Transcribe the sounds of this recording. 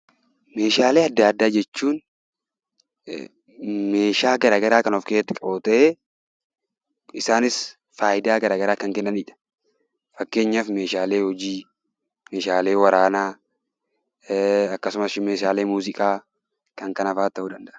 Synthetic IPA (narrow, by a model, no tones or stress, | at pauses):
me̞ːʃaːleːɐd̪ːaːd̪ːaːd͡ʒɛt͡ʃːuːn | me̞ːʃaːɡɐɾaːɡɐɾaːkɐnɔfkeːt̪ːɪkʼɐoːt̪ʼɛʔe | ɪsaːnɪs | faːʔɪd̪aːɡɐɾaːɡɐɾaːkɐŋkɛnːɐniːᶑɐ̥ | fɐkːe̞ːɲːafme̞ːʃaːle̞ːhɔd͡ʒiː | me̞ːʃaːle̞ːwɐɾaːnaː | ɐkːɐsʊmɐsɪme̞ːʃaːleːmuːzɪkʼaː | kɐŋkɐnɐfaːt̪ːɐhʊd̪ɐnd̪ɐʔ